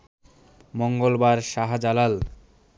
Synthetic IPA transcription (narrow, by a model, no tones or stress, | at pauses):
moŋɡolbaɾʃaɦad͡ʑalal